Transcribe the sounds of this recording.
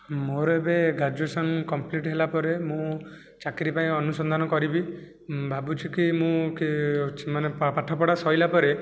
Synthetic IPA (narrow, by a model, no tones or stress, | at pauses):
moɾɔebeɡad͡ʒesɔnkɔmpliʈɦelapɔɾemũ | t͡ʃakiɾipaĩɔnusɔnd̪ʱanɔkɔɾibi | bʱabut͡ʃʰikimũkisimanepaʈʰɔpɔɽasɔjlapɔɾe